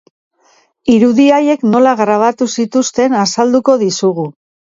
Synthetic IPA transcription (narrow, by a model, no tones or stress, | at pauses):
iɾuðiaje̞kno̞laɣɾaβ̞at̪usit̪ust̪e̞nasald̪uko̞ðisuɣu